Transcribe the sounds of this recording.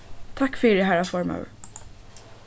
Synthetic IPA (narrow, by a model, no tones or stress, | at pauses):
t̪ʰakːfɪːɾɪɦæɾafɔɾma̰ʉɾ